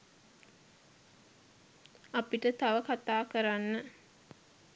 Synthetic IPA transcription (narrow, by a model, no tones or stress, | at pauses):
apiʈət̪aʋəkat̪aːkəɾanːə